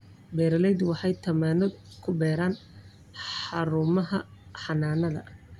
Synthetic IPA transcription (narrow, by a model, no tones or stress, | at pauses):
bɛːɾɐlɛjd̪wɑħɑjt̪ʰɐmaːnɔd̪ | kʰʊbɛːɾaːn | ħɑɾʊːmɐɦɐ | ħɑnaːnɐðɐ̰